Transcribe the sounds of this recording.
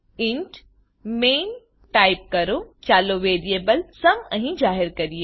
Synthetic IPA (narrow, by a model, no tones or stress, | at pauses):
iɳʈ | meːn | ʈaːɪip̚kɐɾot͡ʃaːloʋeːɾiebəlsɐmə̃ɦĩd͡ʒaːɦɪɾkɐɾije